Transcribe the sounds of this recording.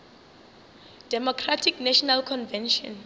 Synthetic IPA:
d̥ɛmɔkʰratʰiknaʃɔnalkʰɔnvɛ̃nʃɔ̰̃n

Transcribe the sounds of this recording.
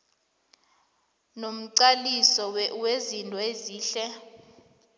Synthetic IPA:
nom̩ǀalisɔwwezintʼɔeziːɬɛ

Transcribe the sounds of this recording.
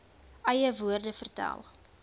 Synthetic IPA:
ʔɐjəvuərdəfərtæ̰lˠ

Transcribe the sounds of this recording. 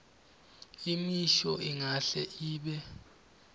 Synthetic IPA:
imiʃɔiŋaɬɛʔiːɓɛ

